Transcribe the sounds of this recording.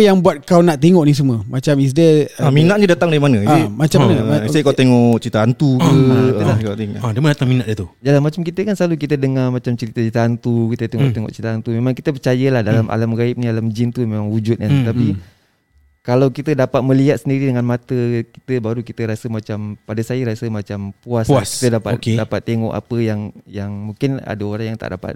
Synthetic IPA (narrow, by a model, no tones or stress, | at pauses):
jaŋbuat̪̚kawnaʔt̪eŋɔʔnis̬uməmat͡ʃamis̬dəminaʔɲədat̪aŋdaɾimanəmat͡ʃammanəsaikawt̪eŋɔʔt͡ʃəɾit̪ant̪ukəlakat̪eŋadamandat̪aŋminaʔd͡ʒət̪udalanmat͡ʃamkit̪əkansəlalukit̪ədəŋamat͡ʃamt͡ʃəɾit̪ait̪aant̪ukit̪ət̪eŋɔ̰ʔt̪eŋɔ̰ʔt͡ʃəɾit̪aant̪umemaŋkit̪əp̬ərt͡ʃajəlahdalamʔa̰lamɡaip̚nialamd͡ʒint̪umemaŋhud͡ʒʊt̪̚kant̪api | kalawkit̪ədapat̪̚mə̃liɦat̪̚səndiɾidəŋanmat̪əki̥t̪əbaɾukit̪əɾasəmat͡ʃampadasajəɾasəmat͡ʃampuaspaski̥t̪ədapa̰ot̪̚kedapat̪ːeŋɔ̰ʔa̰pəjaŋjaŋmuŋkɪna̰dəoɾaŋjaŋt̪a̰ʔdapa̰t̪̚